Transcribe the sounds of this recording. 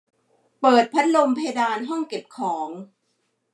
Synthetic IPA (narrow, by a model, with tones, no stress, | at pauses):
pɤː˨˩t̪̚pʰa˦˥t̪̚lo˧mpʰa˧ja˧daː˧nɦɔ˥˩ŋke˨˩p̚kʰɔː˩˦ŋ